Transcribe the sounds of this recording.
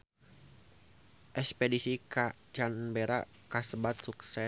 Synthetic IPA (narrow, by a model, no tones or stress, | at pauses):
ʔɛkspɛdisika | d͡ʒanbeɾa | kasəbat̪̚suksɛ